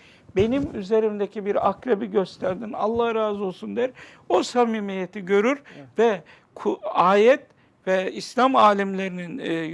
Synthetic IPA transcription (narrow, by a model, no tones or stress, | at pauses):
be̞nimyze̞ɾimd̪ecʰibiɾa̰kɾebiɟø̞st̪ʰæɾd̪ina̰lˠːahɾaːzolˠsund̪æɾ | osamiːmijet̪ʰiɟø̞ɾyɾvɛ | kʰaːjɛt̪̚ | vɛislʲamaːlʲimlʲe̞ɾinin